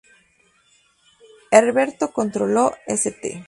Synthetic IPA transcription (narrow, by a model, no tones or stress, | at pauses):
eɾβeɾt̪oko̞nt̪ɾoloeset̪ḛ